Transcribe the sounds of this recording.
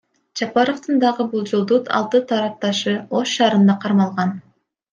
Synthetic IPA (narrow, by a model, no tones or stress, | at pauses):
d͡ʒɑpɑɾoft̪ɯnd̪ɑʁɯbulˠd͡ʒolˠd̪ut̪ʰɑ̰lˠt̪ɯt̪ʰɑɾɑp̚t̪ɑʃɯo̞ʃʃɑːɾɯnd̪ɑqʰɑɾmɑlˠʁɑn